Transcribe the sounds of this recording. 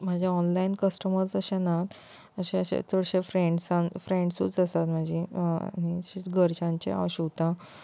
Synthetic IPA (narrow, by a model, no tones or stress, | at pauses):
m̤ad͡ʑʱjaɔnlainkəsʈəməɾsəɕẽnat̪ | əɕẽəɕḛ̃t͡soɽɕefɾẽɳɖsãnfɾẽɳɖsṵːt͡səsat̪m̤ad͡ʑʱia̰niɕiɡʱəɾt͡ɕãɲt͡ɕḛa̰ɕut̪ã